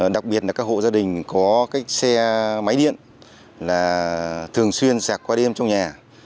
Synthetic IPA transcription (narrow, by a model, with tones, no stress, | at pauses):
ɗa˨˩k̚ɓi˨˩ət̚laː˨˩kaː˦˥k̚ho̰˧˨zaː˧ɗï˨˩ŋ̟kɔ˨˦kaː˦˥jk̚sɛ˧ma˨˦jɗḭ˧˨ən | laː˨˩t̪ʰɨ˨˩əŋswi˧ənsaː˨˩k̚kwaː˧ɗe˧mt͡ɕɔ˧wŋ͡mɲaː˨˩